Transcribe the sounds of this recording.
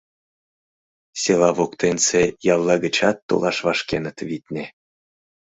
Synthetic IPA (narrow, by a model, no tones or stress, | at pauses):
sʲelɑβokt̪ensejɑlˠːɑɡət͡ɕɑt̪ːo̰lˠɑʃβɑʃkenət̪vit̪ʲnʲe